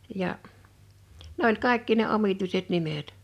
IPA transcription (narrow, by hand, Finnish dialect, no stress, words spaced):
jɑ ne olʲ kɑˑe̝kːi ne omituiset nimet